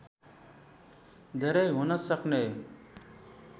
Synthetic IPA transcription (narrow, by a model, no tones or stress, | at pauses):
d̪ʱeɾejɦonəsəkneː